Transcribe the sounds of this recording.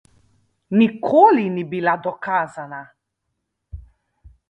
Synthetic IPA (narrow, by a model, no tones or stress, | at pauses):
nikʰolinibilad̪ɔkaːzana